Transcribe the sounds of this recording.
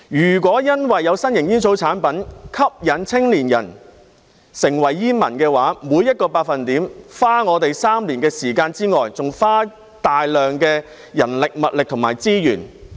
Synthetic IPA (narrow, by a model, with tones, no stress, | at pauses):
jyː˨˩k̬ʷɔː˨˥jɐ˥nwɐ˨jːɐ˨˧wsɐ˥njɪ˨˩ŋjiː˥nsʰo˨˧˥wt͡sʰaː˨˥npɐ˨˥nkʰɐ˥p̚jɐ˨˥nt͡sʰɪ˥ŋliː˨˩njɐ̰˨˩n | sɪ˨˩ŋwɐ˨˩jːiː˥nmɐ˨˩nkɛː˧waː˨˥muː˨˧jɐ˥t̚kɔː˧paː˧k̚fɐ˨nt̪iː˨˥mfaː˥ŋɔː˨˧t̪e˨jsaː˥mliː˨˩nkɛː˧siː˨˩kaː˧nt͡siː˥ŋɔː˨jt͡sʊ˨ŋfaː˥ | t̪aː˨jlœː˨˩ŋkɛː˧ | jɐ˨˩nlɪ˨k̚mɐ˨t̚lɪ˨k̚t̪ʰʊ˨˩ŋma̰ː˨˩jt͡siː˥jyː˨˩n